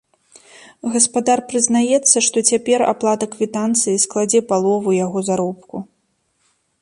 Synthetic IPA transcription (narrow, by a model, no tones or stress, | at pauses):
ɣɐspad̪arpɾɨznajɛt̪sːɐʂt̪ɔt͡sʲapʲɛɾa̰plˠat̪ɐkvʲit̪ant̪sɨjisklˠad͡zʲɛpalˠɔvujaɣɔzaɾɔp̚ku